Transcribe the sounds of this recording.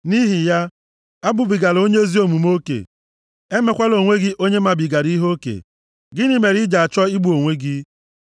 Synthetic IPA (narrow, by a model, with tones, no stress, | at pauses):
ni˦ɦi˨ja˦ | a˦bʊ˨bi˨ɡa˨lo˦ɲe˦zi˦o˨mu˨mo˦kḛ˨ | e˦me˨kʷa˦lo˨ŋʷe˦ɡɪ˦ʔo˦ɲe˦ma˨bi˨ɡa˨ɾi˦ɦo˦kḛ˨ | ɡɪ˦ni˦me˨ɾi˦d͡ʒa˨a˨t͡ʃɔ˦i˦ɡ͡bu˨o˨ŋʷe˦ɡɪ˦